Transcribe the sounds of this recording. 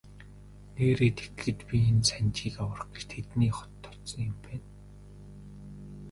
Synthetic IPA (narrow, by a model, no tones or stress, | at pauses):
neːɾeːt̪ʰe̥t̪xɘ̆t̪pʲient͡sænt͡ɕiːkawə̆r̆χɡet͡ɕt̪ʰet̪niːχɔ̥t̪ʰːɔ̥t̪sɞ̆ŋʊmpæːn